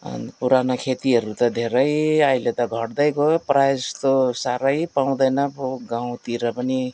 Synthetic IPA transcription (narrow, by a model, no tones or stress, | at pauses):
npuɾanokʰet̪iɦʌɾut̪ʌd̪ʱeɾʌjʌilet̪ʌɡʱʌʈd̪ʌjkoprajst̪osaɾʌjpaw̃d̪ʌjnʌboɡaw̃t̪iɾʌpʌni